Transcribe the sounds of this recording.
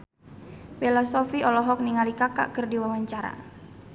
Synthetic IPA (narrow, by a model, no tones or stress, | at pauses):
pelɔsɔfiɔlɔɦɔk̚niŋalikaka̰ʔkɨrdiwawaɲt͡ʃaɾa̰